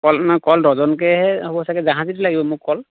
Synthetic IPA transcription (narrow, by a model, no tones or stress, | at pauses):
kɔlnakɔldɔzɔnkɛɦɛhɔbɔsakɛzãɦãzitilaɡibɔmʊkːɔl